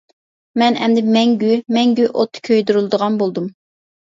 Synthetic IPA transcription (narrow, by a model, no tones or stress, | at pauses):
mɛnɛ̰nd̪ɪmɛŋɡʲymɛŋɡʲyʔot̪ʰːɨ̥kʲʰøjd̪yɾɨlˠɨd̪əʁɑnbolˠd̪um